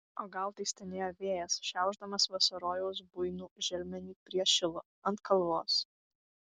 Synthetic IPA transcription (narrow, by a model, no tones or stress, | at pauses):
oːɡɐlˠt̪ɐɪsʲt̪ʲɛnʲeːjoːʋʲeːjɛsʃʲɛˑʊʒd̪ɐmɐsʋɐsɐɾoːjɛʊs̬bʊɪnuːʒʲɛlʲmʲɛnʲiːpʲɾʲiɛʃʲɪlˠʊ | ɐnt̪̚kʰɐlˠʋoːs